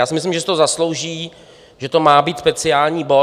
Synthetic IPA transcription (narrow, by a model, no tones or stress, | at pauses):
jaːsɪmɪs̬lɪmʒɛs̬t̪oozaslo̞wʒiː | ʒɛt̪o̞maːbiːt̪spɛt͡sɪaːlɲiːbo̞